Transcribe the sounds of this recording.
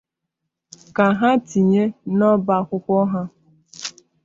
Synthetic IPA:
ka˨ɦa˦ti˨ɲe˦nɔ˦ba˨kʷʊ˦kʷɔ˦ɦa˦

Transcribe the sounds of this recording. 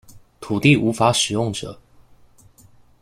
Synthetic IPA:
t̪ʰu˨˩t̪i˥˨ʔu˧˥fa˧˥ʂɻ̩˨˩jʊ˥˩ŋʈ͡ʂə̰˨˩˦

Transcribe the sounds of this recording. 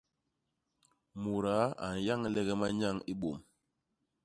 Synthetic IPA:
mu˨ɾa˨˦a̰˨n˨ja˦ŋ˦lɛ˦ɡɛ˦ma˦ɲa˦˨ŋi˦ɓo˨m

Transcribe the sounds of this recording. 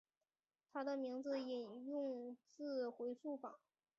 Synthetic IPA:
t̪ʰa˥d̪ə˨mi˧˥ŋd͡zɹ̩˧i˨˩njʊ˥˧ŋt͡sɹ̩˥˧xwe˧˥ɪʂu˥˩fɑ̰˨˩˦ŋ

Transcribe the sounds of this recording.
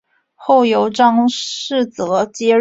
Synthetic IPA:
xo˥˩ʊjo˧˥ʊʈ͡ʂɑ˥ŋʂɻ̩˥˩t͡sɤ˨˩˦t͡ɕjɛ˥

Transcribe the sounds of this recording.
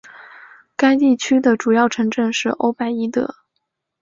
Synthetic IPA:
ka˥ɪt̪i˥˩t͡ɕʰy˥d̪ə˨ʈ͡ʂu˨˩jɑ˥˩ʊʈ͡ʂʰɤ˧˥ŋʈ͡ʂɤ˥˧ŋʂɻ̩˥˩ʔo̰˥ʊpa˥ɪi˥t̪ɤ̰˧˥˦

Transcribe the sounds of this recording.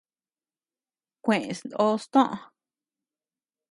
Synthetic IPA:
kʷẽ˨ʔẽ˨snd̪o˦st̪õ˦ʔ

